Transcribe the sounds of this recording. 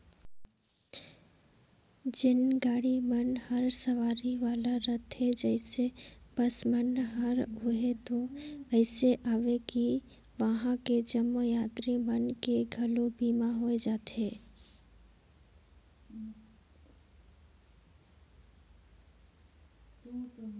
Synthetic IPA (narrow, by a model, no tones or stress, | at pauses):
d͡ʒɪnɡaːɽimənhəɾsəʋaːɾiʋaːlaɾət̪ɦɛd͡ʒɛɪseb̥əsmənɦəɾɦʊɦet̪oɛɪseʔaːʋeki | ʋəɦãked͡ʒəmːojaːt̪ɾimənkeɡʱɐlobiːmãɦoed͡ʒaːt̪ɦeː